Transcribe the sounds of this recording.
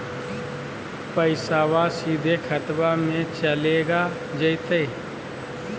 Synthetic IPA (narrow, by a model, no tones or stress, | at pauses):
pəɪsaːwasiːd̪ʱekʰət̪bamẽt͡ʃəleːɡa | d͡ʒəɪt̪eː